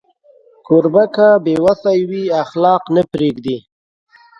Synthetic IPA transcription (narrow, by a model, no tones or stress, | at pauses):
koɾbakabewasajwiaxlɑːqnəpɾeɡd̪i